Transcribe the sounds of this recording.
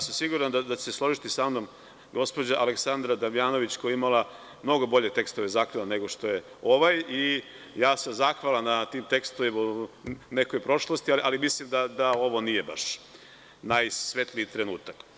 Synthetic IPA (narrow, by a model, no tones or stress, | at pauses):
jasamsiɡuɾand̪ad̪at͡ɕeseslˠo̞ʒit̪isamno̞m | ɡo̞spo̞d͡ʑaʔaleksand̪ɾad̪aʋijaːno̞ʋit͡ɕkojeimalˠa | mno̞ɡo̞bo̞ʎe̞t̪e̞kst̪o̞ʋezaːxʋalˠane̞ɡo̞ʃt̪o̞je | o̞ʋaji | jaːsamzaxʋalˠamnat̪iːmt̪e̞kst̪oʋimune̞ko̞jpɾo̞ʃlˠost̪ialiʔalimislimd̪ad̪ao̞ʋo̞nije̞ba̰ʃ | najsʋe̞t̪liit̪ɾe̞nṵːt̪ak